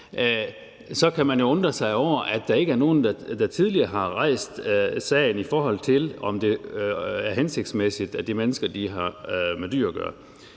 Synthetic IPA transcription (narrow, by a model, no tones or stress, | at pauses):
sɒ̽kʰæmænjo̝ɔ̽nd̥ʁɐsɑ̈ɪɒʊ̰ɐʔæd̥ɑ̈e̝ɡ̥əæɐno̝ːn̩d̥ɑd̥ɑ̈t͡sʰið̞ˠliɐːɦɑ̈ʁɑ̈ɪ̰sd̥sɛ̰ɪn̩ifɒːɦɒ̽l̰t͡sʰe̝lɒ̽md̥e̝ | æɐɦense̝ɡ̥̚d̥smesid̥æd̥imenəsɡ̥ɐd̥iɦɑ̈med̥y̰ɐ̰ɡ̥ɶ̰ɐ